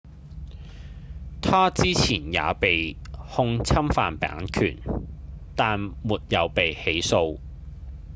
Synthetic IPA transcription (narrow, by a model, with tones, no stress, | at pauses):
t̪ʰaː˥t͡siː˥t͡sʰiː˨˩nja̰ː˨˧pe˨jhʊ˧ŋt͡sʰɐ˥mfaː˨npa̰ː˨˥ŋkʰy̰ː˨˩n | t̪aː˨nmuː˨t̚jɐ˨˧wpe˨jhe˨˥jso˧w